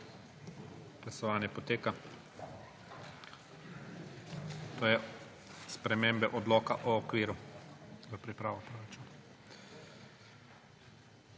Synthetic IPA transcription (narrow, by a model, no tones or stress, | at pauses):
ɡ̥lasɔʋaːnjɛpɔt̪eːka | t̪oːjɛ | spɾɛmeːmbɛʔɔd̪lɔːkaʔɔːkʋiːɾu | zəpɾipɾaːʋɔpɾoɾat͡ʃuːna